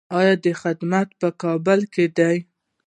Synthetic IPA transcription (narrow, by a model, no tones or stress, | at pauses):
ɑjɑd̪əxɪd̪mat̪pəkɑbəlked̪aj